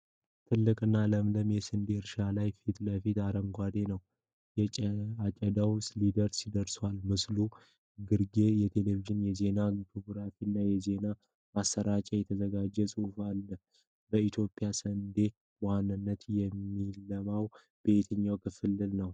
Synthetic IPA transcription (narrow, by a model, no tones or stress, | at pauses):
t̪ʰɨlːɨkʼɨnːaləmləmjɛsənd̪e̞ɨɾʃalajfit̪ləfit̪aɾəŋɡʷad̪enəw | jɛat͡ʃʼəd̪awslid̪əɾsid̪əɾswalmɨslu | ɡɨɾɡe̞jɛt̪ʰe̞leviʒɪnjɛze̞naɡipʰoɡɾafinːajɛze̞na | masːəɾat͡ʃʼɛjɛt̪ʰəzəɡad͡ʒːɛsʼufalːə | bəit̪ʰjo̞pʼjasənd̪e̞ | wanːɨnːət̪jɛmːilːəmaw | b̥e̞t̪ʰɨɲːawkʰɨfɨlːɨlnəw